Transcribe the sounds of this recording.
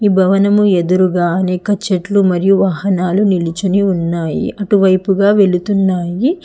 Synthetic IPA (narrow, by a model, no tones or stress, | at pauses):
iːbʱɐʋɐnɐmued̪uɾuɡaːɐnɛːkɐt͡ʃeʈlumɐɾijuʋaːhɐnaːlunilit͡ʃuniunːaːjḭʔɐʈuʋɐjpuɡaːʋe̞ɭut̪unːaːji